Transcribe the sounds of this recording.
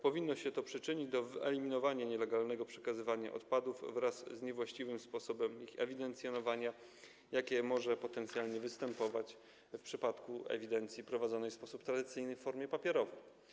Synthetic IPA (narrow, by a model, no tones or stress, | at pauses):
pɔvʲinːɔɕɛt̪ɔpʂɘt͡ʂɘɲid͡ʑd̪ɔvɘɛ̰lʲimʲinɔvaɲaɲɛlɛɡalnɛɡɔpʂɛkazɘvaɲa̰ʔɔ̰t̪pad̪uvːɾasːɲɛvwaɕt͡ɕivɘmspɔsɔbɛmixɛ̰vʲid̪ɛnt̪sʲjɔnɔvaɲa | jakʲɛmɔʐɛpɔt̪ɛnt̪sʲjalɲɛvɘst̪ɛmpɔvat͡ɕ | fpʂɘpat̪kuɛ̰vʲid̪ɛnt̪sʲipɾɔvad̪zɔnɛjfspɔsupt̪ɾad̪ɘt̪sɘjnɘfːɔɾmʲjɛpapʲjɛɾɔvɛj